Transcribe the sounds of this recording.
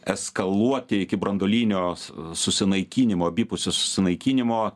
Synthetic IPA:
ɛskɐlˠuɔt̪ʲɪɪkʲɪbɾɐnd̪oːlʲiːnʲoːsʊsʲɪnɐɪkʲiːnʲɪmoːbʲipʊsʲosʊ̥sʲɪnɐɪkʲiːnʲɪmoː

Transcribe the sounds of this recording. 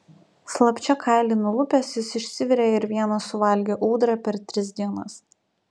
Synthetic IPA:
slˠɐpʲt͡ʃʲɛkʰɑɪlʲiːnʊlˠʊpʲeːsjɪsɪʃʲsʲɪʋʲɪɾʲeɪɾʋʲiɛnɐsʊʋɐlʲɡʲeːʔuːd̪ɾɐpʲɛɾt̪ʲɾʲɪsd̪ʲiɛnɐs

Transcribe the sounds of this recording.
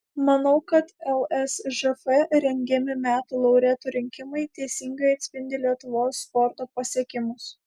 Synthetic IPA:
mɐnɐʊkɐt̪ɛlˠɛsʒɛfɛɾʲɛŋʲɡʲɛmʲɪmʲæːt̪ulˠɐʊɾʲeːt̪uːɾʲɪŋʲkʲɪmɐɪt̪ʲɛɪsʲɪŋɡɐɪɐt̪ʲsʲpʲɪnʲd̪ʲɪlʲiɛt̪ʊʋoːsːpɔɾt̪oːpɐsʲiɛkʲɪmʊs

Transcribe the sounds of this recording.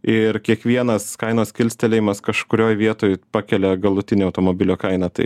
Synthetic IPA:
ɪɾkʲiɛkʋʲiɛnɐskɐɪnoːskʲɪlʲsʲt̪ʲɛlʲeːjɪmɐskɐʃkʊɾʲoːjʋʲiɛt̪oːjpɑːkʲɛlʲɛɡɐlˠʊt̪ʲɪnʲeːɐʊt̪oːmoːbʲɪlʲoːkɐɪnɐt̪ɐ̰ɪ

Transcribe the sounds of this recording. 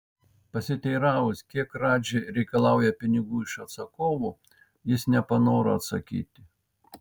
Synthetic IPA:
pɐsʲɪt̪ʲɛɪɾɑːʋʊskʲiɛkɾɑːd͡ʒʲeɾʲɛɪkɐlˠɑˑʊjɛpʲɪnʲɪɡuːɪʃɐt̪sɐkoːʋʊ | jɪsnʲɛpɐnoːɾɐɐt̪sɐkʲḭːt̪ʲɪ

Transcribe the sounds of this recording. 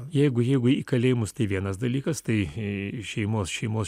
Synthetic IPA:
jɛɪɡʊjɛɪɡʊiːkɐlʲeːʋɪmʊst̪ɐɪʋʲiɛnɐsd̪ɐlʲiːkɐst̪ɐɪʃʲɛɪmoːsʃʲɛɪmoːs

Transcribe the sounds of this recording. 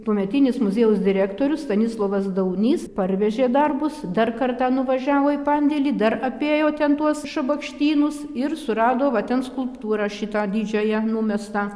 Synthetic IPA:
t̪uɔmʲɛt̪ʲiːnʲɪsmʊzʲeːjʊsd̪ʲɪɾʲæːkt̪oːɾʲʊsst̪ɐnʲɪslˠoːʋɐsd̪ɐʊnʲiːspɐrʲʋʲɛʒʲeːd̪ɐrbʊsd̪ɐrkɐrt̪ɑːnʊʋɐʒʲæːʋoːipɐnʲd̪ʲɛlʲiːd̪ɐɾɐpʲeːjoːt̪ʲɛnt̪uɔsʃɐbɐkʃʲt̪ʲiːnʊsɪrsʊɾɑːd̪oːʋɐt̪ʲɛnskʊlˠpt̪uːɾɑːʃʲɪt̪ɑːd̪ʲiːd͡ʒʲoːjɛnuːmʲɛst̪ɑː

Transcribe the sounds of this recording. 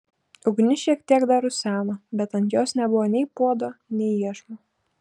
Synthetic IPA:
ʊɡnʲɪʃʲiɛkt̪ʲiɛkd̪ɑɾʊsʲæːnoːbʲɛt̪ɐnt̪joːsnʲɛbʊʋoːnʲɛɪpuɔd̪oːnʲɛɪiɛʃmo

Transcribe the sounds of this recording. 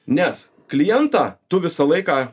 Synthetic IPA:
nʲɛs | klʲɪjɛnt̪ɑːt̪ʊʋʲɪsɐlˠɐɪkɑː

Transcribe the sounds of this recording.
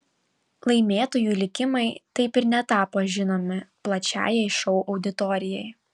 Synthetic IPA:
lˠɐɪmʲeːt̪oːjuːlʲɪkʲɪmɐɪt̪ɐɪpɪɾnʲɛt̪ɑːpoːʒʲɪnoːmʲɪplˠɐt͡ʃʲæ̰ːjɛɪʃɔʊʔɒʊd̪ʲɪt̪ɔɾʲɪjɛɪ

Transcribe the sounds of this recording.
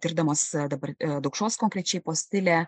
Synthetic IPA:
t̪ʲɪɾd̪ɐmoːsd̪ɐbɐɾd̪ɐʊkʃoːskoːŋʲkɾʲɛt͡ʃʲɛɪpoːsʲt̪ʲɪlʲæ

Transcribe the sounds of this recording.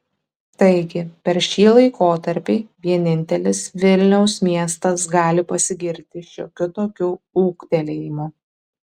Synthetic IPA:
t̪ɐɪɡʲɪpʲɛɾʃʲiːlˠɐɪkʰoːt̪ɐɾʲpʲiːʋʲiɛnʲɪnʲt̪ʲɛlʲɪsʋʲɪlʲnʲɛʊsmʲiɛst̪ɐsɡɑːlʲɪpɐsʲɪɡʲɪɾʲt̪ʲɪʃʲoːkʲʊt̪oːkʲuuːkt̪ʲɛlʲɛjɪmʊ

